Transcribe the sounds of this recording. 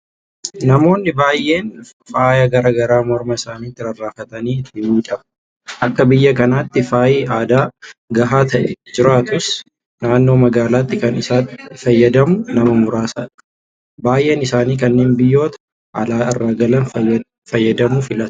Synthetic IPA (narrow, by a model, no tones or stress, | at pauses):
nɐmo̞ːnːɪbaːjʔe̞ːn | faːjɐɡɐɾaːɡɐɾaːmɔɾmɐɪsaːniːt̪ːɪɾɐrːaːfɐt̪ɐniːɪt̪ːɪmiːᶑɐb | ʔɐkːɐbɪjːɐkɐnaːt̪ːɪfaːjiːʔaːd̪aːɡɐɦaːt̪ɐʔɛ̰d͡ʒɪɾaːt̪ʊs | naːnːo̞ːmɐɡaːlaːt̪ːɪkɐnɪsaːfɐjːɐd̪ɐmʊnɐmɐmʊɾaːsa̰ːᶑɐ̥ | baːjʔe̞ːnɪsaːniːkɐnːe̞ːnbɪjːo̞ːt̪ɐ̥ | ɐlaːɪrːaːɡɐlɐn | fɐjːɐd̪ɐmʊfɪlɐt̪